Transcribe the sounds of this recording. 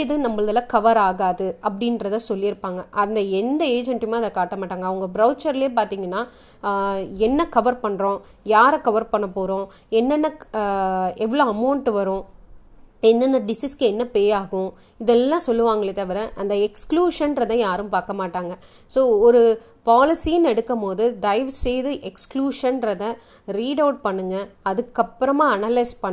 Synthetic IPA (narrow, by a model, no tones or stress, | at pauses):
ɪðɯnɐmbɐɭɐðɐlãːkɐʋɐɾaːɣaːðɯɐpːɐɽɪnɾɐðãːsɔlːɪɪɾɯpːaːŋɡɐʔɐnd̪ɐɛnd̪ɐeːd͡ʒɛɳʈɪmaːɪðɐkaːʈːɐmaːʈːaːŋɡɐːʋɐŋɡɐbɾɐʊt͡ʃɐɾɪleːp̬aːɾt̪iːŋɡɐnːaː | ɛnːɐkɐʋɐɾpɐɳːɾõː | jaːɾɛ̃kɐʋɐɾpɐɳːɐpːoːɾõː | ɛnːɛnːɐ | ɛʋɐɭoːɐmɐʊɳʈʋɐɾʊ̃ | ɛnd̪ɐnd̪ɐɖɪsiːskɯɛnːɐpeːjaːɣʊ̃ | ɪðɛlːãːsɔlːɯʋaːŋɡɐɭɐt̪ɐʋɪɾɛʔɐnd̪ɐɛkskluːʂɐnɾɐðãːjaːɾɯmpaːɾkɐmaːʈːaːŋɡɐ | soːɔɾɯ | paːlɪsijɯnɛɽɯkːɐmoːðɯɖɐɪʋsejðɯʔɛkskluːʂɐnɾɐðɐ | ɾiːɖɐʊʈ̚pɐɳːɯŋɡɐɐðɯkːɐpːɪɾɐmaːɐnaːlɐɪspɐː